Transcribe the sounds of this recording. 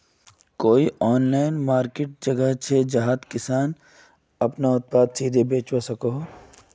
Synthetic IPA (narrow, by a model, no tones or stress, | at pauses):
koːiʔɔːnlaːɪnmaːɾkeːʈ̚d͡ʒɐɡəɦt͡ʃʰed͡ʒɐɦaːd̪kɪsaːn | ɐpnaʊt̪̚paːd̪siːd̪ʱebeːt͡ʃwasɐkoɦ